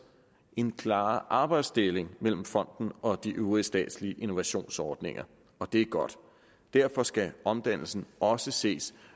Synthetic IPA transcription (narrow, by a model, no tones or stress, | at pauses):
e̝nkʰlɑ̈ːʔɑ̈ːb̥ɑ̈ɪ̰d̥sd̥e̝le̝ŋmel̰m̩fɒ̽n̰d̥n̩ʔɒ̽d̥iʔøʊʁisd̥ɛ̰ːd̥sliəʔe̝no̝ʋæɕo̝̰ːnsɒːd̥ne̝ŋɐ | ɒ̽d̥e̝æɐɡ̥ɒ̽d̥ | d̥æɐ̰fɒ̽sɡ̥æɒ̽md̥æn̰l̩sn̩ɒ̽səse̝̰ːs